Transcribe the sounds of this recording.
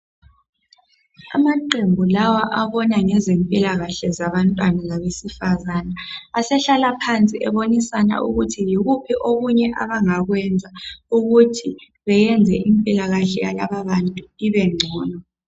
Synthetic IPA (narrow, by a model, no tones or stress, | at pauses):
a̰maǃembʱulawaʔaβɔnaŋɛzempʼilaɣaɬɛzaβantʼwanazaβesifazanaːsɛɬalapʰant͡sʼiɛβonisana̰ʔuɣutʰijiɣupʰiʔoɣuɲɛʔaβaŋaɣwɛnd͡zʱauɣutʰi | βɛjɛnd͡zʱɛʔimpʼilaɣaɬɛja̰la̰βaβantʼuiβɛŋ͡ǀʱɔːnɔ